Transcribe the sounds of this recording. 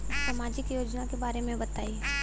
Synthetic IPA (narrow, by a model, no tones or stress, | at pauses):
sɐmaːd͡ʒɪkjoːd͡ʒnãkebaːɾemẽbɐt̪aːiː